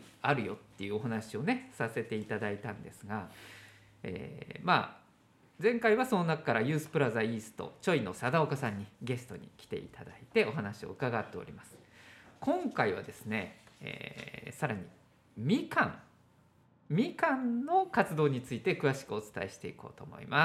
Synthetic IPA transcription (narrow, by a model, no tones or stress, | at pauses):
aɾɯ̟jo̞̰t̪ːe̞jɯ̟oɦanaɕio̞ne̞sase̞t̪e̞it̪ad̪ait̪ãnd̪e̞sɨɡa | ḛːma̰ː | d͡zẽ̞ŋkaiβaso̞nonakakaɾajɯ̟ːsɨ̥pɯ̟ɾazaiːsɨ̥t̪o̞̰t͡ɕo̞ino̞̰sad̪aokasãɲ̟ːiɡe̞sɨ̥t̪o̞ɲ̟ḭkʲi̥t̪e̞̰ḭt̪ad̪ait̪e̞o̞ɦanaɕio̞̰ɯ̟kaɡat̪ːe̞o̞̰ɾʲimasɨ̥kʰõ̞ŋkaiβ̞a̰d̪e̞sɨne̞ḛsaɾaɲ̟i | mʲikã̰ŋ | mʲikãnno̞kat͡sɨd̪o̞ːɲ̟it͡sɨit̪e̞kɯ̟βaɕi̥kɯ̟o̞t͡sɨ̥t̪ae̞ɕi̥t̪e̞ḭko̞̰ːt̪o̞ːmo̞̰ḭmʔa